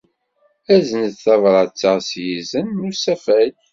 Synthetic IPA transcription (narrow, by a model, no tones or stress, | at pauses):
æzənət̪θɑvɾˤɑt͡sːəʁsjizənːusæfæj